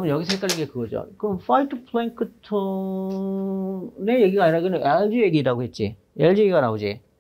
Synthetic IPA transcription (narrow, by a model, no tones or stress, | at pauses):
mɯnjʌɡis̬ʰek͈aɾiɡekɯɡʌd͡ʑo̰kɯfajtʰɯpʰleinkʰɯtʰɯ | nejeɡiɡaɲiɾaɡɯnɯʔeɭd͡ʑɯjeɡiɾaɡoɦe̞t̚t͡ɕ͈ḭ | eɭd͡ʑujeɡiɡanaɡod͡ʑḭ